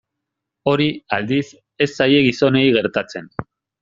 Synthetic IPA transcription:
o̞ɾiald̪is | e̞sːaje̞ɣiso̞ne̞iɣe̞ɾt̪at͡se̞n

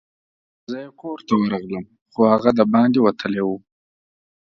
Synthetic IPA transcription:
zəjekoɾt̪awəɾɑɣləm | χohaɣad̪əbɑnd̪iwat̪ʰəlewu

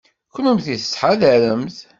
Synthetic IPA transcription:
kʷːənumθiθə̥sħaðæɾəmθ

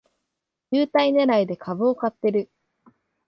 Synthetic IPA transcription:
jɯːt̪aine̞ɾaid̪e̞kʰabɯokat̪ːe̞ɾɯ̟

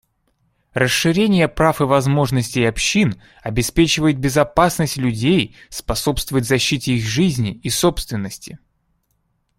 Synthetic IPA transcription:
rəsɨɾʲenʲɪjəpɾafɨvɐzmo̞ʐnəsʲtʲɪjɐpɕːin | ɐbʲɪspʲet͡ɕɪvəjɪt̪̚bʲɪzɐpasnəsʲtʲlʲʉdʲejspɐso̞pst̪vəvət̚ʲzɐɕːitʲɪixʐɨzʲnʲɪːso̞pst̪vʲɪnːəsʲtʲɪ̥

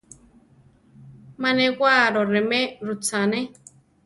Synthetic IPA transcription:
mãnẽkʷaɾoɾemẽɾut͡sane

